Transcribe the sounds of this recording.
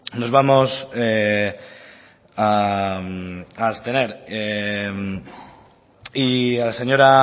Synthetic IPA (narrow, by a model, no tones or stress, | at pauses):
no̞zβamo̞se | a | ast̪e̞ne̞ɾem | ialase̞ɲo̞ɾa